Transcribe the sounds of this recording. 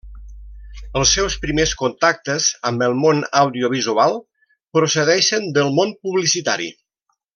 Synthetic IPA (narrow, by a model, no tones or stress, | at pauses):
əlˠsːɛwspɾimeskunt̪ak̚t̪əzəmbəlˠmonəwðioβ̞izualˠ | pɾusəðɛʃənd̪əlˠmonpuβlisit̪a̰ɾḭ